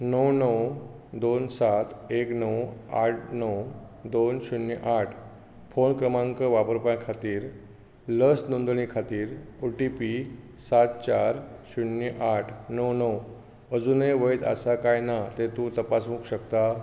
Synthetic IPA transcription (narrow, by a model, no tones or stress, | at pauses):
nəwnəw | d̪onsat̪eknəwa̰ʈ̚ʰnəw | d̪onɕunːiʔaʈʰ | fonkɾəmãŋkəʋapəɾpãkʰat̪iːɾ | ləsnond̪ɳ̃ikʰat̪iːɾuʈipi | sat̪̚t͡ɕaɾɕunːiʔaʈʰnəwnəw | əd͡zuneʋəjt̪a̰sakajnat̪et̪ut̪əpasũkɕəkt̪a